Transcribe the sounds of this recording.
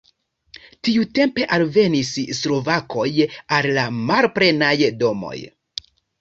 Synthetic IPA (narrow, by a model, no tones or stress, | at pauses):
tiute̞mpe̞ʔalve̞nisslo̞vakʰo̞jalːamalpɾe̞najdo̞mo̞̰j